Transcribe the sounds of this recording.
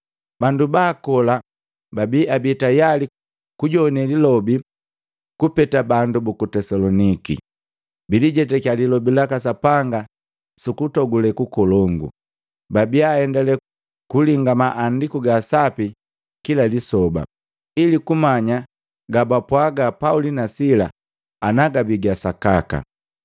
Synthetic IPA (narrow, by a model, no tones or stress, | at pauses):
bandubaːkɔla | babiabitajali | kuɟɔnɛlilɔbi | kupɛtabandubukutɛsalɔnikḭ | biliɟɛtɛkalilɔbilakasapaŋɡa | sukutɔɡulɛkukɔlɔŋɡṵ | babiaɛndɛlɛ | kuliŋɡamaʔːndikuɡasapi | kilalisɔba̰ | ilikumaɲa | ɡabapwaɡapaulinasilaː | naɡabiɡasakaka̰